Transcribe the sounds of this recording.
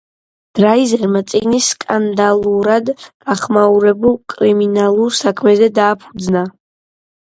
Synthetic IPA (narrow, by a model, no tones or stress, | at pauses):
d̪̥ɾaizɛɾmat̪sʼiɡnisːkʼand̪alˠuɾad̪ɡ̥aχmauɾɛbulˠkʼɾiminalˠuɾsakʰmɛzɛd̪aːpʰu̥d̪zna